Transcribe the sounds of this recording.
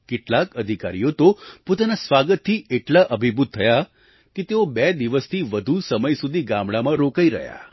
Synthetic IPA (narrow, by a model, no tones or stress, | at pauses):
keʈlakəd̪ʱika̰ɾijot̪opot̪anasʋaɡət̪ʰːiʔeʈlaʔəbʱibʱud̪̚t̪ʰəja | ket̪eobɛd̪iʋəst̪ʰiʋəd̪ʱusəməjsud̪ʱiɡamɽamãɾokaiɾə̰ɦja̰